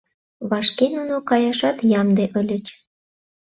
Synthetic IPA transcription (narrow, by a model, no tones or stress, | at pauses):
βɑʃkenunokɑjɑʃɑt̪jɑmd̪eʔəlʲət͡ɕ